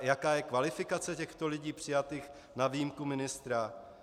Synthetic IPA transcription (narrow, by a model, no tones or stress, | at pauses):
jakaːjɛkvalɪfɪkat͡sɛcɛxt̪olɪɟiːpr̥ɪjat̪iːx | navijimkumɪnɪst̪ɾa